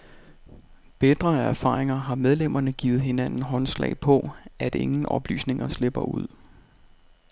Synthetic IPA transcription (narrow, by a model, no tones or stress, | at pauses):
b̥ed̥ʁɐæɐfɑ̰̈ːʁeŋɐɦɑ̈með̞ˠlem̰ɐnəɡ̥ḭːð̞̩ˠhe̝nænn̩ɦɒ̽nslɛ̰ɪpʰɒ̽ʔæd̥e̝ŋn̩ʔɒ̽b̥ly̰ːsne̝ŋɐsle̝b̥ɐuð̞̰ˠ